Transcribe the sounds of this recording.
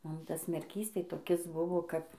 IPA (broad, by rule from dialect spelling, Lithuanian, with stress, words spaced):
ˈmʊm ˈtɐs mʲɛrʲˈkʲiːs tɐɪ toːˈkʲɪs ˈbʊʋoː ˈkɐp